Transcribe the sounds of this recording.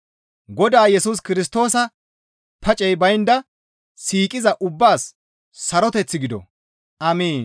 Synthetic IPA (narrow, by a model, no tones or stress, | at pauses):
ɡɔd̪aːjɛsuːs̬kɪɾɪs̬t̪o̞ːsɐ | pʰɐt͡ʃʼɛjbɐjnd̪ɐ | siːkʼɪzɐʔʊbːaːsː | ɐɾɔt̪ɛt͡sːɪɡɪd̪ɔ̰ | ʔɐmiːn